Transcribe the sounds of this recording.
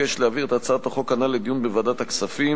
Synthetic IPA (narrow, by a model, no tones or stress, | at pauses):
eʃleaviʁet̪at͡saat̪aχo̞kanaled̪ijunbevad̪at̪aksafi